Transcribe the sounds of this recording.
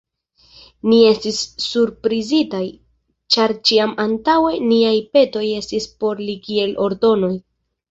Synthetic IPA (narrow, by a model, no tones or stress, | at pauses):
nie̞stisːuɾpɾizitaj | t͡ʃaɾt͡ʃiamantawe̞niajpe̞to̞je̞stispo̞ɾlikie̞lʔo̞ɾdo̞no̞j